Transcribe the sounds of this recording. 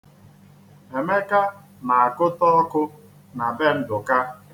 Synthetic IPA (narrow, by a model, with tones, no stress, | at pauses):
e˨me˦ka˦ | na˨a˨kʊ˦tɔ˦ɔ˦kʊ˦ | na˨be˦n̩˦dʊ˨ka˦